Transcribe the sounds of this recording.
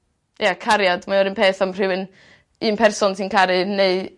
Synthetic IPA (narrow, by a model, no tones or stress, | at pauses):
jakʰaɾjadmaɔɾɪnpʰeːθamr̥ɨwɨn | ɨːnpʰɛrsɔnsʰinkʰaɾɨneɨ